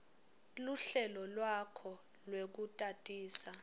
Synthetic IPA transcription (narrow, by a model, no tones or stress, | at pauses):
luɬɛlɔlwakʰɔ | lwek̬utʼatʼiːsa